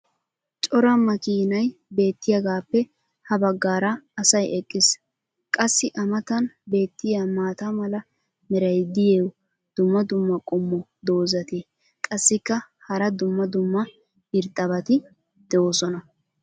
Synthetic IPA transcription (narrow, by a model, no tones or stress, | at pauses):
t͡ʃʼɔɾɐmɐkiːnɐjbe̞ːt̪ːɪjɐɡaːpːɛ | hɐbɐɡːaːɾɐɐsɐjɛkʼːɪs | kʼɐsːɪʔɐmɐt̪ɐnbe̞ːt̪ːɪjamaːt̪amɐlɐ | mɛɾɐjd̪ɪjeːw | d̪̥ʊmːɐd̪ʊmːɐkʼʊmːɔd̪o̞ːzɐt̪eː | kʼɐsːɪkːɐ | hɐɾɐd̪ʊmːɐd̪ʊmːɐ | ɪɾt̪ʼːɐβɐt̪ɪ | d̪̥ɛoːsɔnɐ